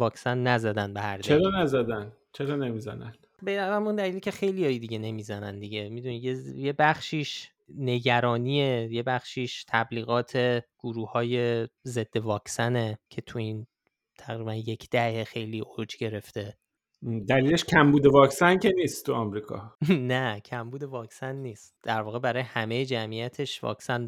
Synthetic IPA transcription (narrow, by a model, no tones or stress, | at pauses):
vɒːksænːæzæd̪ænbehæ̰ɾd̪t͡ʃeɾɒːnæzæd̪æn | t͡ʃʰeɾɒːne̞miːzæ̰næ̰n̥ | bed̪æzæmund̪æliːlicʰexe̞jlijɒːjed̪iɟe̞ne̞miːzænænd̪iɟemid̪unijejebæχʃiːʃ | ne̞ɟæɾɒːniːeje̞bæχʃiːʃt̪ʰæbliːɣɒːt̪ʰe̞ɡ̥uɾuːhɒːje̞ze̞d̪̥ːe̞vɒːkʰsæne̞cʰe̞t̪ʰuin | t̪ʰæɣɾiːbænje̞cʰd̪̥æhexe̞jliːʔod͡ʒɟe̞ɾe̞ft̪e̞ | d̪æliːleʃcʰæmbuːd̪e̞vɒːksæncʰeniːst̪t̪uɒmɾiːkʰɒ̰næcʰæmbuːd̪e̞vɒːksænːiːst̪̚d̪̥æɾvɒːɣe̞bæɾɒːjehæme̞jed͡ʒæmijæt̪ʰe̞ʃvɒ̰ːksæn